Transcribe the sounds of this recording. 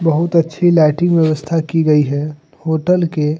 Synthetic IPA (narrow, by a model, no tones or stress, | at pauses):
bɐɦʊt̪ɐtːʃʰilaːʈɪ̃ŋɡʋjɐʋəst̪ʰakiɡɐiɦɛ | hoːʈəlke